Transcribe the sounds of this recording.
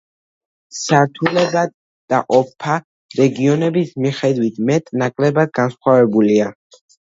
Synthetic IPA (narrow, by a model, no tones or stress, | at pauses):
saɾt̪ʰulɛba | d̪̥aʔɔpʰa | ɾɛɡiɔnɛbismiχɛd̪wit̪ʰmɛt̪ʼnakʼlɛbad̪̚ɡansχwavɛbulia